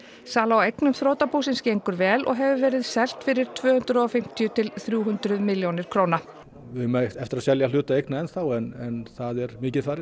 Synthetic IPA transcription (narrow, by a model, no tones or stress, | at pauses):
saːlaawejknʏmθɾoːwt̪apuːsɪnscejŋkʏɾvɛːlʔɔ̰ɣɦɛvʏvɛːɾɪðsɛl̥t̪fɪɾɪɾ̥t̪ʰvœːhʏnt̪ɾʏɔfɪm̥t̪ʰjʏt̪ʰɪlθɾjuːɦʏnt̪ɾʏðmɪljownɪɾ̥kʰɾoːwna | vɪmaɛft̪ɪɾaðsɛljal̥ʏːt̪aejknaɛnθawɛnɛnθaðɛɾmɪːcɪðfaːɾɪ